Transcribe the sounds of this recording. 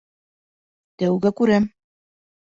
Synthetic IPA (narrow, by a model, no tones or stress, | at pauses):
t̪æwɡækʉɾæm